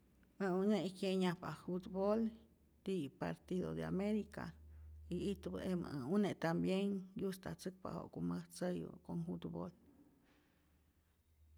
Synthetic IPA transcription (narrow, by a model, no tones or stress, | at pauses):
mauneʔikeɲapafut̪bol | t̪ipa̰ɾt̪iðod̪ea̰meɾika̰iit̪b̰ʔem̰unet̪ambjeŋjust̪at͡sɨk̚pa̰ho̰ʔkuməht͡səjbə̰koŋfut̪bo̰l